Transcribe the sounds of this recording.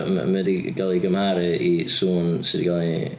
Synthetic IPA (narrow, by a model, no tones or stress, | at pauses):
m̰mɛdiɡalˠiɡəmhaɾɨisuːnsɪdiɡalˠi